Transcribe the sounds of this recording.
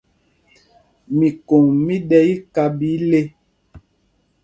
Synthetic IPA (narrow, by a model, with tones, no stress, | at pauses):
mi˨ko˨ŋmi˦dɛ˦i˦ka˦bi˨˦le˦